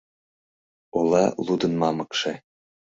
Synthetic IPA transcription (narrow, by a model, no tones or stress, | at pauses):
olɑ̰lud̪ənmɑmɤkʃe